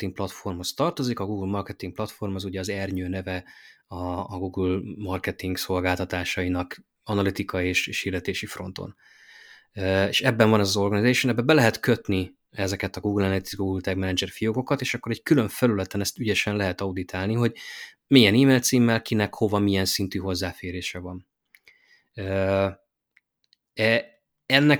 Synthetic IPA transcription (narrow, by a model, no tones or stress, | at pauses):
t̪iŋk̚plɒt̪fo̞rmho̞st̪ɒrt̪o̞zikɒɡuːɡlmɒrkɛt̪iŋkplɒt̪fo̞rmɦɒzuɟɛɒzɛrɲøːnɛvɛɒːɡuːɡulmɒrkɛt̪iŋɡso̞lɡaːlt̪ɒt̪aːʃɒinɒk | ɒnɒlit̪ikʰɒjieːʃeːʃird̪ɛt̪eːʃifro̞̰n̪t̪o̞̰n | eːʃɛbːɛɱvɒnɛzɒzo̞rɡɒnizaːʃonɛbːɛbɛlɛɦɛt̪kø̞t̪ni | ɛzɛkɛt̪ɒɡuːɡlɛnɛt̪izɡuːɡult̪ɛɡmɛnɛd͡ʒɛrfijoɡo̞kɒt̪eːʃɒkːo̞ɾɛɟkylø̞ɱfɛlylɛt̪ɛnɛst̪yɟɛʃɛnlɛɦɛt̪ɒud̪it̪ʰaːlniɦo̞ɟ | mijɛniːmeːlt̪siːmːɛlkinɛkho̞vɒmijɛnsint̪yːɦo̞zːaːfeːɾeːʃɛvɒn | ø | ɛ | ɛnːɛ